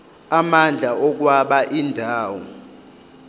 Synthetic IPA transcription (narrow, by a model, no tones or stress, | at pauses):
amand͡ɮʱaɔk̬waɓaʔindʱaːwɔ